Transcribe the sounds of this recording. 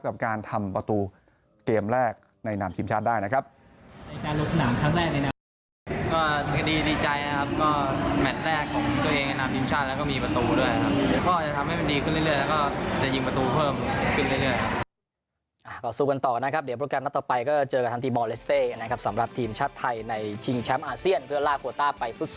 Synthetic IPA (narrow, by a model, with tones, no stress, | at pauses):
ka˨˩p̚kaː˧nt̪ʰa˧mpɾa˧t̪uː˧ | keː˧mɾɛː˥˩k̚ | na˧jnaː˧˩mt̪ʰiː˧mt͡ɕʰaː˥˩t̪̚daː˥˩jna˦˥kʰɾa˦˥p̚ | na˧jkaː˧nlu˧k̚sa˧naː˩˦mkʰɾaː˥˩ŋɾɛː˥˩k̚na˧na˦˥ | kɔː˥˩kʰa˧diː˧diː˧t͡ɕa˧jna˦˥kʰa˦˥p̚kɔː˥˩mɛ˨˩t̪̚ɾɛː˥˩kʰːɔː˩˦ŋt̪u˧ɐʔeː˧ŋna˧naː˧mt̪ʰiː˧mt͡ɕʰaː˥˩lːwkɔː˥˩miː˧pɾa˧t̪uː˧du˥˩əja˦kʰa˦˥p̚kɔː˥˩t͡ɕa˨˩t̪ʰa˧mha˥˩jma˧ndiː˧kʰɯ˥˩llɯ˥˩əjlɛː˦˥wkɔː˥˩t͡ɕa˨˩ji˧ŋpɾa˧t̪uː˧pʰɤː˥˩mkʰɯ˥˩nlɯ˥˩lɯ˥˩əjkʰa˦˥p̚ | ʔa˨˧˩kɔː˧˩suː˧˩ka˧nt̪ɔː˨˩ka˧na˦˥kʰa˦˥p̚di˩˦pʰɾo˧˥kɛː˧mna˦˥t̪ɔː˨˩pa˧jkɔː˥˩t͡ɕɤː˧ka˨˩t̪ʰa˦˥t̪iː˧mɔː˧le˦˥st̪eː˥˩ka˧nː˦˥kʰa˦˥p̚sa˩˦mɾa˨˩p̚t̪ʰiː˧mt͡ɕʰaː˥˩t̪ʰːa˧jna˧jt͡ɕʰi˧ŋt͡ɕʰɛ˦˥mʔaː˧si˥˩ənpʰɯ˥˩ɐlaː˥˩kʰu˧ɐt̪aː˥˩pa˧jfu˦˥t̪̚s